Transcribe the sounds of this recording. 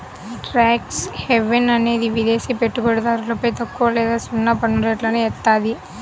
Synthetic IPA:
ʈɾaːkshɛʋɛnɐneːðiʋiðeːsipɛʈːɯpɐɽɯðaːɾɯlɐpːoːjt̪ɐkːuʋɐleːðaːsɔnːaːpɐɳːuɾɐːʈlaːnɯɛt̪ːaːði

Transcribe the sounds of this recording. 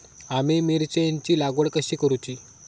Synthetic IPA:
amimiɾt͡ɕəjeɲt͡ɕiːlaɡəɭkəɕiːkəɾut͡ɕiː

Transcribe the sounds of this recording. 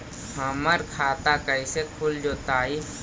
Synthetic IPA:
hɐməɾkʰaːt̪akəɪsekʰʊld͡ʒoːt̪aːi

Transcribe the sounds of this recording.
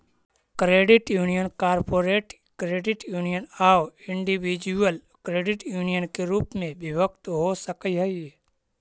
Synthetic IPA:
kɾeːɖɪʈjuːnijənkaːɾpoːɾeːʈ | kɾeːɖɪʈjuːnijənaːɪɳɖiʋid͡ʒuəl | kɾeːɖɪʈjuːnijənkeɾuːpmẽbɪʋəkt̪ɦoːsəkiɦəie

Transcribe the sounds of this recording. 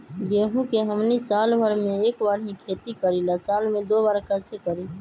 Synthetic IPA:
d̪eːɦũkeɦəmnisaːlbʱəɾmẽeːkbaːɾɦĩkʰeːt̪ikəɾilasaːlmẽd̪oːbaːɾkəsekəɾi

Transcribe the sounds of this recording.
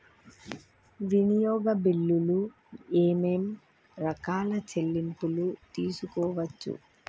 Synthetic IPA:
ʋinijɔːɡɐbilːulu | eːmem | ɾɐkaːlɐt͡ʃelːimpulut̪iːsukɔːʋɐt͡ʃːṵ

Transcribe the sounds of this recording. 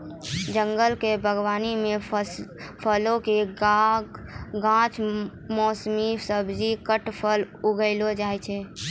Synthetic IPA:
d͡ʒəŋɡəlkebʱəɡwaːnimẽ | pʰəlokeɡa | ɡãt͡ʃ | mɔːsmisəbʱd͡ʒikəʈpʰəl | uɡəɪlod͡ʒaːjt͡ʃʰɛ

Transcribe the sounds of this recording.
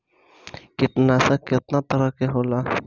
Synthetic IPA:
kɪʈnasakːɪt̪nat̪ɐɾakeɦola

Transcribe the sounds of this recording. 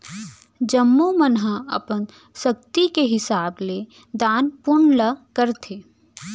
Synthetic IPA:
d͡ʒəmːumənɦãə̰pən | sək̚t̪ikeɦɪsaːble | d̪aːnpʊɳləkəɾt̪ʰe

